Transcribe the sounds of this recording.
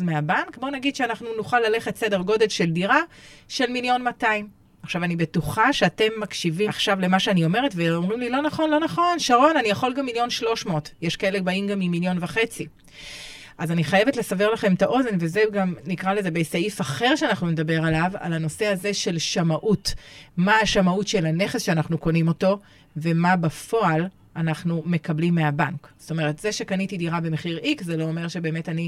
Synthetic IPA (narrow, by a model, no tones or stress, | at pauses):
meabankbo̞naɡid̪ʃeanaχnunuχalːale̞χetse̞de̞ʁɡo̞de̞lʃe̞ldiʁaʃe̞lmiljo̞nmataim | aχʃavanibe̞tuχaʃeate̞mːakʃiviaχʃavle̞maʃeanio̞me̞ʁetveomʁimlilo̞naχo̞nlo̞naχo̞nʃaʁo̞nanijaχo̞lɡamːiljo̞nʃlo̞ʃmoːtjeʃkaelebaimɡamːimiljo̞nvaχe̞t͡si | ʔazaniχaje̞vetle̞save̞ʁlaχe̞mtaʔo̞zenvezeɡamnikʁaleze̞besaifaχe̞ʁʃeanaχnune̞dabe̞ʁalava̰lano̞se̞aze̞ʃe̞lʃamaʔutmaaʃamautʃe̞lane̞χesʃeanaχnuko̞nimo̞to̞ | ve̞mabafo̞al | anaχnume̞kablimːeabaŋkz̥o̥to̞me̞ʁetze̞ʃe̞kanitidiʁabe̞meχiʁikzeloome̞ʁʃe̞be̞ːme̞tani